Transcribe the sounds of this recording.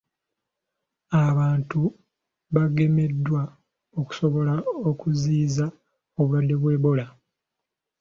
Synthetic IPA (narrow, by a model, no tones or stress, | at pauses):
aβaːntu | βaɡe̞me̞dːwa | o̞ku̥so̞βo̞lao̞kuziːza | o̞βuwadːe̞βwe̞ːβo̞la